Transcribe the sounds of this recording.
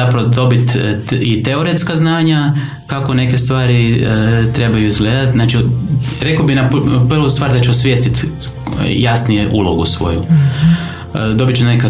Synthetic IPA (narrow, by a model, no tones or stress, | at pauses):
apɾaʋod̪o̞bit̪it̪eoɾet̪skaznaːɲa | kako̞ne̞ke̞st̪ʋaːɾit̪ɾe̞bajuizɡle̞ːd̪at̪znat͡ʃiɾe̞kobinapr̩ʋust̪ʋaːɾd̪at͡ʃeosʋjest̪it̪ | jasnijeʔulˠoɡṵsʋo̞̰jṵ | d̪o̞bit͡ʃenaka